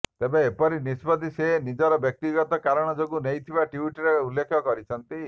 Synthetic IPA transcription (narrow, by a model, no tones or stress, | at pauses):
t̪ebeːpɔɾinisbɔd̪ʱisenid͡ʒɔɾɔbjɔk̚t̪iɡɔt̪ɔkaɾɔɽ̃ɔd͡ʒoɡunejt̪ʰibaʈiiʈɾeulːekʰɔkɔɾit͡ʃʰɔnt̪i